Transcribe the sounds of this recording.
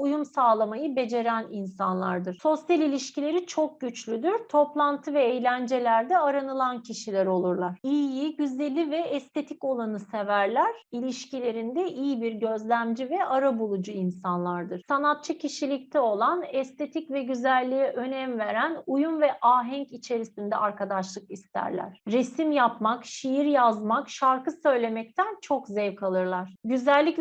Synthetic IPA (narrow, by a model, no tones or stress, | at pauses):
ujumsaːlˠamajɯbe̞d͡ʒe̞ɾæninsanlˠa̰ɾd̪ɯɾ̥so̞sjalʲilʲiʃcilʲe̞ɾit͡ʃʰo̞k̚ɟyt͡ʃlʲyd̪yɾt̪ʰo̞plˠant̪ʰɯvɛːjlʲænd͡ʒe̞lʲæɾd̪ɛaɾanɯlˠancʰiʃilʲæɾo̞lˠuɾlˠaɾ̥iːjiɟyzlʲelʲivɛɛst̪ʰe̞t̪ʰico̞lˠanɯsevæɾlʲæɾilʲiʃcilʲe̞ɾind̪ɛʔijibiɾɟø̞zlʲæmd͡ʒivɛʔaɾabulˠud͡ʒuinsanlˠaɾd̪ɯɾ̥sanat̪̚t͡ʃʰacʰiʃilʲic̚t̪ʰɛo̞lˠanɛst̪ʰe̞t̪ʰicvɛɟyzælʲːijɛʔø̞nɛmve̞ɾænujumvɛʔaːɦɛɲcit͡ʃʰe̞ɾisind̪ɛ̰aɾkad̪aʃlˠɯkist̪ʰæ̰ɾlʲæ̰ɾ̥ɾesimjapmakʃijiɾjazmakʃaɾkɯsø̞jlʲe̞mɛc̚t̪ʰænt͡ʃʰo̞kzɛvkʰalˠɯɾlˠaɾ̥ɟyzælʲːicl